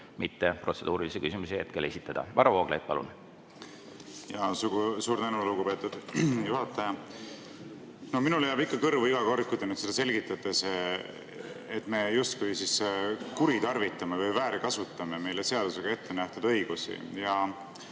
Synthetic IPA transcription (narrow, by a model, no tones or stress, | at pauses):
mit̪ːepro̞t̪se̞d̪̥uːɾilisekysimusehe̞t̪̚kelesit̪ːˑɑd̥̪ɑ̰vɑɾɑvoːɡ̥lḛt̪̚pɑ̰lṵn | jɑsuɡusuːɾnenuluɡupe̞t̪ːud̪̥juhɑt̪ːˑɑjɑ | nominulejɑːbikːˑɑkɤrvuiɡɑko̞rkːud̪̥enyt̪sed̪̥ɑse̞lʲɡit̪ːˑɑt̪ːˑes | et̪ːˑme̞just̪̚kujsiskuɾit̪ɑrvit̪ːˑɑmevɤjvæːɾikɑsut̪ːˑɑmeme̞jlese̞ɑd̪̥use̞ɡ̥ɑe̞t̪ːe̞næht̪ud̪̥ɤ̞jɡ̥usḭjɑ